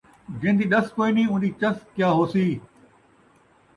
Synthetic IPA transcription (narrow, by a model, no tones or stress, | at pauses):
d͡ʑẽɦnd̪iːɗɐskoːiniʊ̃nd̪iːt͡ɕɐskjaːɦoːsiː